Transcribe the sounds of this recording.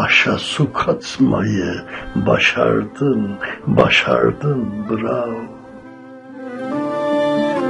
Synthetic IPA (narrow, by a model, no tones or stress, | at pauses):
ɑʃasukʰat͡sʰmɑjɛbɑʃaɾd̪ənbɑʃɑɾd̪ənbəɾa